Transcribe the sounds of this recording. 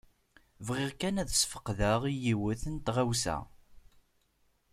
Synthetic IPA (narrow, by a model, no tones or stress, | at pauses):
vʁɪʁkænæðəsfə̥qːðəʁijiwəθənt̪ʁæwsæ̰